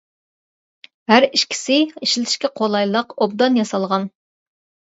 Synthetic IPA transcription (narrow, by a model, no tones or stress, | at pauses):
hæɾiʃkʲʰi̥sɪiʃlɪt̪ʰɪʃkʲɛqʰolˠɑjlˠəqob̚d̪ɑnjɑsɑlˠʁɑn